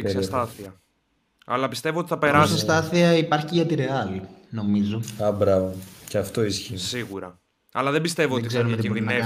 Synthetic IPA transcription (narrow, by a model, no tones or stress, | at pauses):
sɐst̪ɐθiɐ | ɐ̰lɐpist̪e̞voot̪i̥θɐpe̞ɾɐssɐst̪ɐθiɐipɐɾçiʝɐt̪iɾe̞ɐlino̞mizo̞ɐbɾɐvoceɐft̪o̞isçisiɣuɾɐ | ɐlɐðe̞mbist̪e̞voot̪iseɾinðine